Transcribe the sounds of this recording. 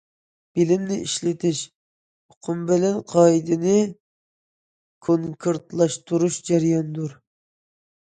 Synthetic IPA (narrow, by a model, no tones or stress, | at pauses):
b̥ɪlɪmnɪʔiʃlɪt̪ʰɪʃ | oqʰʊmbɪlɛnqʰɑid̪ɪnɪ | kʰoŋkʰɨɾt̪lˠɑʃt̪ʰuɾuʃd͡ʒɛɾjɑnd̪uɾ